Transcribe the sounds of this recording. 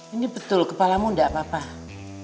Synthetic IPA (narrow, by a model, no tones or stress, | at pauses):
inibət̪ʊlkəpalamundaʔpapa